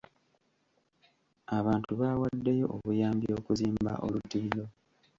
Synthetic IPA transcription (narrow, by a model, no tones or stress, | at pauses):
aβaːntuβaːwadːejo̞̰ʔoβujaːmbio̞ːkuziːmba̰ʔo̞̰lutiːlo̞